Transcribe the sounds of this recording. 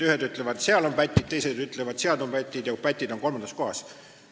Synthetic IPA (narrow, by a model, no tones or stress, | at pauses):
yhed̪yt̪ˑle̞vɑd̪seɑlo̞mpæt̪ʲːid̪̚t̪e̞jse̞d̪yt̪levɑd̪̥seɑd̪o̞mpæt̪ʲːˑid̪̥jɑkupæt̪ʲːˑid̪̥o̞ŋko̞lmɑnd̪ɑsko̞hɑs